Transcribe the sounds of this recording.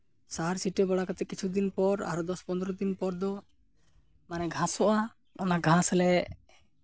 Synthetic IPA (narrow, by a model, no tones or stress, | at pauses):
saɦaɾsiʈɛbɔɽakat̪ɛkit͡ʃʰud̪inpɔɾa̰ɾɔd̪ɔspɔnd̪ɾɔd̪inpɔɾd̪ɔ | manɛɡʱãsɔʔa | ɔnaɡʱãslɛʔ